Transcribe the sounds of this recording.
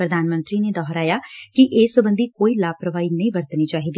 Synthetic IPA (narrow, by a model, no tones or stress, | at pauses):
pɾəd̪ʱaːnmə̃nt̪ɾiːneːd̪ɔːɦɾaːjaːkɪʔeːsəbə̃nd̪iːkoːiːlaːpɾəʋaːiːnəĩːʋəɾt̪niːt͡ʃaːɦiːd̪iː